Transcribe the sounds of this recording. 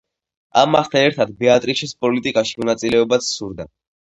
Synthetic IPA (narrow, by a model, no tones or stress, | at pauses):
a̰mːaχt̪ʰaɛɾt̪ʰad̪bɛat̪ʼɾiʃɛspʼɔlit̪ʼikʼaʃi̥mɔnat̪sʼilɛɔbat̪sʰsuɾd̪a